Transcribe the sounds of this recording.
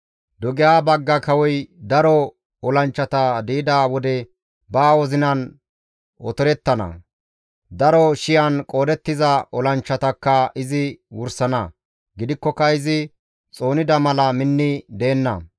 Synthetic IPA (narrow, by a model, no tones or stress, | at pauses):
d̪ɔɡɪjaːbɐɡːɐkɐwɔjd̪ɐɾɔ | ɔlɐnt͡ʃːɐt̪ɐd̪iːɪd̪aːwɔd̪ɛ | baːwɔzɪnɐn | ɔ̰t̪ɔɾɛt̪ːɐnɐ̰ | d̪ɐɾɔʃɪjɐnkʼo̞ːd̪ɛt̪ːɪzɐʔɔlɐnt͡ʃːɐt̪ɐkːɐɪzɪwʊɾsɐnɐ | ɡɪd̪ɪkːɔkːɐɪzɪ | t͡sʼo̞ːnɪd̪ɐmɐlɐmɪnːɪd̪e̞ːnːɐ̰